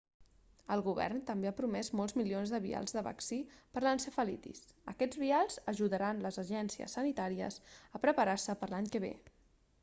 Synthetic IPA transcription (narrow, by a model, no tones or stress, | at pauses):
əlˠɣuβɛ̰rnt̪əmbeapɾumɛzmɔlˠzmilionzðəβia̰lˠzðəβa̰ksipəɾlənsəfəlḭt̪ḭsəkɛd͡zβialˠzəʒuðəɾanləzəʒɛnsiə̰sːənit̪aɾiə̰səpɾəpəɾarsəpəɾlaɲkəβ̞ḛ